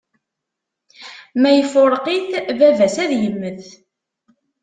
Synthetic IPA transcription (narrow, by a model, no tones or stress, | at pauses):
mæjəfʊɾˤqiθvævæsæðjəmːəð